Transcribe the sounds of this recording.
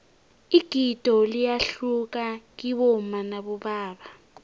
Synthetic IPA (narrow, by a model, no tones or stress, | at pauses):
iɡ̥ʱid̥ʼʱɔlijaɬuk̬ak̬iɓɔmanaɓɔɓaːɓa